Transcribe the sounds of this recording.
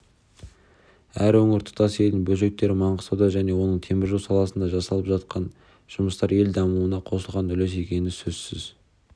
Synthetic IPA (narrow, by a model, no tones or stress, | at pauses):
æɾwɵŋɪɾt̪ʰʊ̥t̪ɑse̞ld̪ɪŋbɵlʒe̞k̚t̪ːe̞ɾɪmɑɴqəsɑwd̪ɑʒæne̞wo̞nəɴt̪ʰe̞mɪɾʒuwsɑlˠɑsənd̪ɑʒɑsɑlˠəpʒ̥ɑt̪qɑn | ʒ̥ʊməst̪ɑɾe̞ld̪ɑmuwənɑqʰo̞səlˠʁɑnɵles̬e̞kʲe̞nɪsɵzsɪz